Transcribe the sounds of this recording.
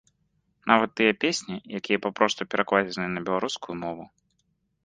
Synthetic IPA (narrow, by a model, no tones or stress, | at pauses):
navɐt̪ːɨjɛpʲesʲnʲijakʲijɐpapɾɔst̪upʲɛɾaklˠazʲɛnɨnɐbʲɛlˠaɾuskujumɔvu